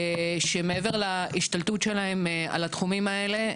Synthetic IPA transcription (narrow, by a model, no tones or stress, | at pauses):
ʃemeeveʁlaiʃt̪alt̪utʃe̞lae̞ma̰lat̪χumimae̞le̞